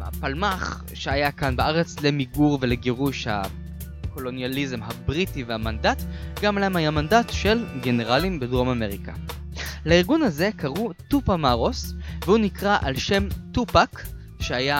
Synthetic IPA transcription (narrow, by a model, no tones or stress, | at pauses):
a̰palmaχ | ʃeajakanbaʔaʁe̞t͡sle̞miɡuʁve̞le̞ɡeʁuʃha̰ | ko̞lo̞njalizemɦabʁitivehamandatɡamlaemhajamandatʃe̞lɡe̞ne̞ʁalimbedʁo̞mame̞ʁika̰ | laiʁɡunhaze̞kaʁutupamaʁo̞svehunikʁaʔalʃe̞mtupak | ʃeaja